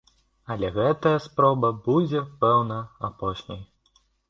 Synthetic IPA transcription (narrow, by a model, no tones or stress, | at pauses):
ɐlʲɛɣɛt̪ɐjɐspɾɔbɐbud͡zʲɛpɛwnɐapɔʂnʲɐ̰j